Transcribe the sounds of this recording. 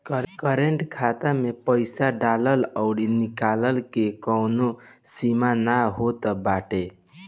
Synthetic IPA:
kkəɾeɳʈkʰat̪amepəɪsaɖalələʊɽinikaləlkekəwno | simanaɦot̪əbaʈe

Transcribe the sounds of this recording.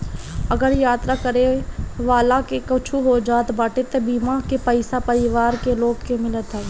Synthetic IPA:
ɐɡəɾjaːt̪ɾakəɾeʋaːlãkekɐt͡ʃʰuɦod͡ʒaːt̪baːʈet̪ebiːmakepəɪsapɐɾɪʋaːɾkeloːɡkemɪlət̪ɦɛː

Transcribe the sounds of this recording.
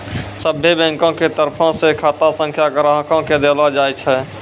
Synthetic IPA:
səbʱebɛ̃ŋkõket̪əɾpʰɔ̃sekʰaːt̪asə̃ŋkʰjakəɾəɦkõked̪elad͡ʒaːjt͡ʃʰɛ

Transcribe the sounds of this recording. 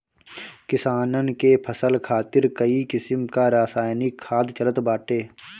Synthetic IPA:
kɪsaːnənkepʰəsəlkʰaːt̪ɪɾkəikɪsəmkaɾaːsaːjnikʰːaːd̪t͡ʃələt̪baːʈeː

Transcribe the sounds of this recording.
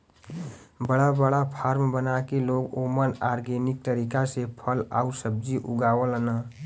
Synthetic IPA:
bəɽabəɽapʰaɾmbənakeloɡomənaɾɡenik̚t̪əɾikasepʰəla̰usəb̚d͡ʒiʔuɡaːwələnə

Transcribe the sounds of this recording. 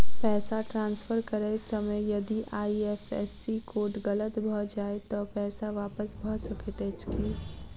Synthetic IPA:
pɛːsaʈɾãːnsfəɾkəɾesɐməjjɐd̪iʔaːiɛfɛ̰ːsikoːʈɡɐlət̪bʱəd͡ʒaːet̪opɛːsaʋaːpəsbʱəsɐket̪eːt͡ʃkiː

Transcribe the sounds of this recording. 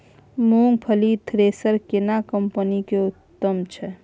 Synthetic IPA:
muŋɡpʰəlit̪ʰɾesəɾkenakəmpənikeut̪ːəmt͡ʃʰɛ

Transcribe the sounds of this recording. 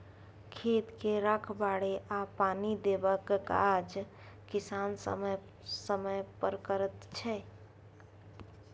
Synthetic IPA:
kʰet̪keɾakʰbaɽeʔapanid̪ebəkka̰d͡ʒ | kɪsansə̰məj | səməjpəɾkəɾət̪t͡ʃʰɛ

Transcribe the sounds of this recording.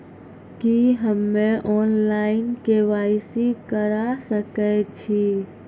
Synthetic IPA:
kiɦəmːẽʔɔːnlaːɪnkeʋaːisikəɾasəkɛt͡ʃʰi

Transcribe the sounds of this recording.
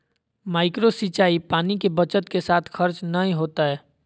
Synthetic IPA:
maːɪkɾosit͡ʃaːipaːnikebət͡ʃət̪kesaːt̪ʰxʰəɾt͡ʃnəɦĩɦoːt̪aɦɛː

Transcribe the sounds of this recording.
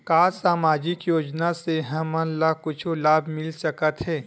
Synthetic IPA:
kaːsaːmaːd͡ʒɪkjoːd͡ʒnaseɦɐmənlakʊt͡ʃʰolaːbʱmɪlsɐkət̪ɦɛː

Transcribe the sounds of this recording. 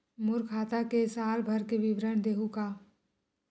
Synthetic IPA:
mʊɾkʰaːt̪akesaːlbʱɐɾkeʋɪbɾəɳ̃d̪eːɦukaː

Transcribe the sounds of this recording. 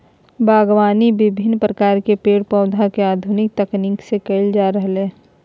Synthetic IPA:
baːɡwaːnibɪbʱɪnːpɾəkaːɾkepeːɽpɔ̃ʊd̪ʱakeaːd̪ʱʊnɪk̚t̪ɐkniːksekəɪld͡ʒaːɾəɦleː

